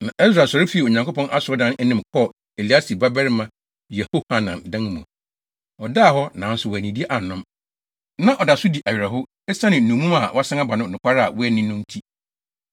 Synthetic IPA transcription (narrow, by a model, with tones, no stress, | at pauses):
nã˨ʔɛ˦sɾa˨sɔ˨ɾɪ˦fi˨˦˨o˨ɲã˨ŋko˦pʰɔ̃˦nʔa˦sʊ˨ɔ˦dã˦n˦ɛ˦nɪ̃˦mkʰɔ˦˨ | e˨li˨˦a˦si˨ba˦bɛ˦ɾɪ˦mã˦ | jɛ˨ho˦ha˨nã˨ndã˦n˦mṵ̃˨ | ɔ˨da˦˨hɔ˦nã˨n̩˦sʊ˨wæ˨nĩ˨di˦e˦ʔa˨nʊ̃˦m | nã˦ʔɔ˨da˨sʊ˦di˨ʔa˨ɥɪ˨ɾa˨ɦʊ˦ | ɛ˦sã˦nɪ̃˨nũ˨mũ˦ma˨wʔa˦sã˦ŋa˦ba˨nʊ̃˦˨nʊ̃˨kʷʰa˦ɾa˦˨wɔ˦ɛ˨nɪ̃˦nʊ̃˦n̩˦tʰi˦